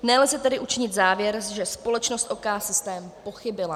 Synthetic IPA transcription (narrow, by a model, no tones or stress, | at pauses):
nɛlzɛt̪ɛdɪʔut͡ʃɪɲɪt̪zaːvjɛɾʒɛspo̞lɛt͡ʃnost̪ʔokaːsɪst̪ɛːmpo̞xɪbɪla